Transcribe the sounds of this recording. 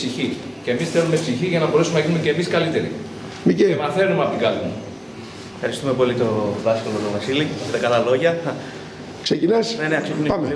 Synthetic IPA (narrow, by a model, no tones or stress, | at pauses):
siçi | ce̞misθelumepsiçiʝɐnɐboɾesumenɐʝinumece̞ːmiskɐlit̪e̞ɾḭ | micemɐθe̞numeɐpot̪iɡɐlimṵ | efxɐɾist̪umepo̞lit̪o̞ðɐskɐlot̪omɐsiliçet̪ekɐlɐlo̞ʝɐ | ksecinɐsneneɐksit̪umnepɐme